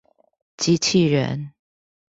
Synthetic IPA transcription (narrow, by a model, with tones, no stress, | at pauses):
t͡ɕi˧˥t͡ɕʰi˥˩ɻə̰˧˥n